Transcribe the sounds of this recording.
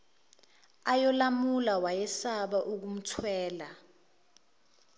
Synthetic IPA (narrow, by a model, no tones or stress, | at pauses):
ajɔlamulawajɛsaɓaʔuk̬um̩tʰwɛːla